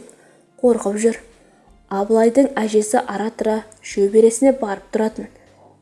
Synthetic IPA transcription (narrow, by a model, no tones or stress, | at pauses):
qʰo̞ɾqəpʒʏɾ | ɑblˠɑjd̪əɴæʒe̞sɪʔɑɾɑt̪ɾɑ | ʃɵbe̞ɾe̞sɪne̞bɑɾəp̚t̪ʰʊɾɑt̪ən